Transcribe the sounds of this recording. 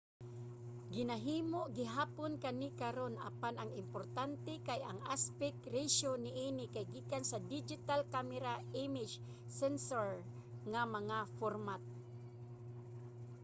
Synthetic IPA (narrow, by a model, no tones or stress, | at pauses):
ɡɪnaɦiːmoʔɡɪɦaːponkanɪkaɾona̰panɐŋɪmpoɾt̪ant̪ɛkaja̰ŋaspɛkɾɛʃonɪʔinɪkajɡiːkansad̪ɪd͡ʒɪt̪alkamɛɾaʔɪmɪd͡ʒ | sɛnsoɹ | ŋamɐŋafoɾmat̪̚